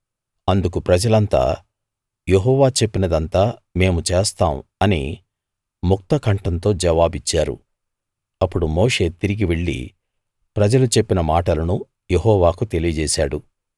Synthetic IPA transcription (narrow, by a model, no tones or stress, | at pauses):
ɐnd̪ukupɾɐd͡ʒɐlɐnt̪a̰ː | je̞ɦɔːʋaːt͡ʃe̞pːinɐd̪ɐnt̪aːme̞ːmut͡ʃe̞ːst̪aːmɐnḭ | muk̚t̪ɐkɐɳʈɐnt̪o̞ːd͡ʒɐʋaːbit͡ʃːaːɾṵ | ɐpːuɽumo̞ːʂe̞ːt̪iɾiɡiʋe̞ɭːḭ | pɾɐd͡ʒɐlut͡ʃe̞pːinɐmaːʈɐlɐnu | je̞ɦɔːʋaːkut̪e̞lijɐd͡ʒɛːsaːɽu